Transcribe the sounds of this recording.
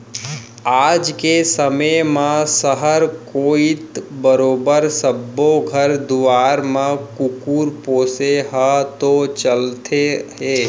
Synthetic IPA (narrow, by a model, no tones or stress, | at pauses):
aːd͡ʒkesəməmãsəɦəɾkoːit̪bəɾoːbəɾsəbːoɡʱəɾd̪uʋaːɾmãkʊkuːɾpoːseɦət̪ot͡ʃəlt̪ʰeɦeː